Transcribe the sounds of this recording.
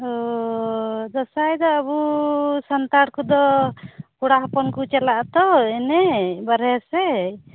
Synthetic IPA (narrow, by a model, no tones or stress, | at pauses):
ɔ | d̪ɔsajd̪ɔːbusant̪aɽkud̪ɔ | kuɽaɦɔpɔnkut͡ʃɛlaʔt̪ɔɛnɛbaɾɛɾsɛ